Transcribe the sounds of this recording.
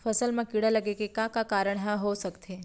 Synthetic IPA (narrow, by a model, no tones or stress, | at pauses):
fʰəsəlmãkiɽaləɡekekãkakaɾəɳ̃ɦãɦosəkt̪ʰe